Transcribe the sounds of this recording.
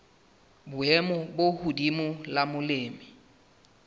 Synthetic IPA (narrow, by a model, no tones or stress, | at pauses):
bʊɛmʊbohudimʊlamʊleːmɪ